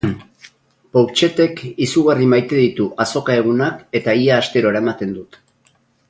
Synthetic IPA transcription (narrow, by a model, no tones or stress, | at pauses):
powt͡ʃe̞t̪e̞kisuɣarimajt̪e̞ðit̪uʔaso̞kae̞ɣ̞unake̞t̪aiaːst̪e̞ɾo̞eɾaemat̪e̞nd̪ut̪